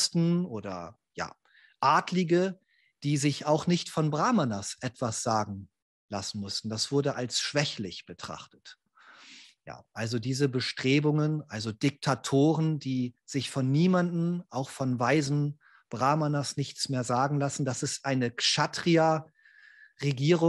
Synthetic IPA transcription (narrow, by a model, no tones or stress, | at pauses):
stn̩ʔoːdɐ̰ | ja̰ː | ʔaːtlɪɡə | d̥iːzɪçaʊxnɪçtfɔnbʁaːmanasʔɛtv̥asz̥aːɡŋ̩ | lasn̩mʊstn̩d̥asv̥ʊɐdəʔalsʃv̥ɛçlɪçb̥ətʁ̥a̰χtə̥t | ja̰ːʔalzodiːzəbəʃtʁ̥eːbʊŋənʔalzodɪk̚tʰatʰoːʁənd̥iːz̥ɪçfɔnːiːmandn̩ʔaʊxfɔnvaɪzn̩ | b̥ʁaːmanasnɪçt͡smeːɐzaːɡŋ̩lasn̩d̥asɪstʔaɪnəʃatʁ̥ia | ʁeɡiːʁʊ